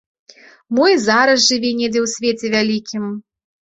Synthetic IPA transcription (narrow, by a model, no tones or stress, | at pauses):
mujzaɾɐsʐɨvʲinʲed͡zʲɛwsʲvʲet͡sʲɛvʲalʲikʲim